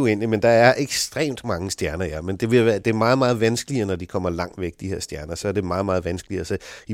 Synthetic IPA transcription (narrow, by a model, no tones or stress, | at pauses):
uen̰limend̥ɑ̈æɐʔeɡ̥sd̥ʁḛːmd̥mɑ̈ŋəsd̥jæɐnɐjæmend̥e̝ʋe̝ʋæːɐd̥e̝æɐmɑ̈ːð̩ˠmɑ̈ːð̩ˠʋænsɡ̥əliənɒd̥ikʰɒ̽m̰ɐlɑ̈ŋ̰̥ʋeɡ̥̚d̥ihe̝ɐsd̥jæɐnɐsɒ̽æɐd̥e̝mɑ̈ːðˠmɑ̈ːð̩ˠʋænsɡ̥əliəsɒ̽i